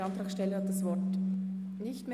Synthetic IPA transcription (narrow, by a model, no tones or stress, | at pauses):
ɑntʁ̥aːχʃtɛləhad̥asv̥ɔt | nɪçtme